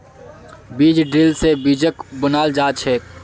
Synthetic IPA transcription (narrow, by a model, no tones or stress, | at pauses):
biːd͡ʒɖɾɪlsebiːd͡ʒəkbʊnaːld͡ʒaːt͡ʃʰɛː